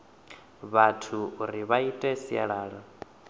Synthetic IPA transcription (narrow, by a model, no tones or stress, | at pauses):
βatʰuːɾiβaitʼɛsia̰ɺaːɺa